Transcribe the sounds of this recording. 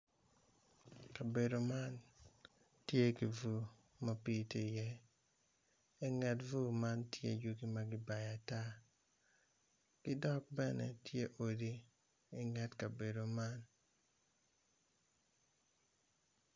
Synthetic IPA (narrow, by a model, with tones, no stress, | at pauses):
ka˨be˨do˨ma˦n | tje˦ki˨vu˨ | ma˦pi˦te˦˨jɛ˦ | ɛ˦ŋɛ˨tvu˦ma˦ntjḛ˦d͡ʒu˦ɡi˦ma˦ɡɪ˦ba˨ja˨ta˦ | kɪ˦dɔ˦k̚bɛ˦nɛ̰˨tje˦ʔo˨diː˦˨ | ŋɛ˦tka˨be˨do˨ma˦n